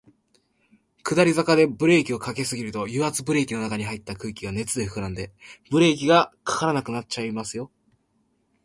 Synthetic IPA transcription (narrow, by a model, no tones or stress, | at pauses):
kɯ̟d̪aɾʲizakad̪e̞bɯ̟ɾe̞ːkʲio̞kake̞sɨɡʲiɾɯ̟t̪o̞jɯat͡sɨbɯ̟ɾe̞ːkʲino̞nakaɲ̟iɦait̪ːakɯ̟ːikʲiβane̞t͡sɨd̪e̞ɸɯ̟kɯ̟ɾãnd̪e̞b̥ɯ̟ɾe̞ːk̬ʲiɡakʰḁkaɾanakɯ̟nat̚t͡ɕaimasɨjo̞